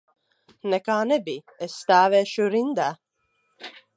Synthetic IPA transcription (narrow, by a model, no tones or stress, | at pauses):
nekaːnebi | est̪aːʋeːʃuɾind̪æ